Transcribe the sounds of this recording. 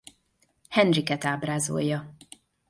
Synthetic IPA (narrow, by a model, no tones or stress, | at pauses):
hɛnrikɛt̪aːbraːzo̰jːɒ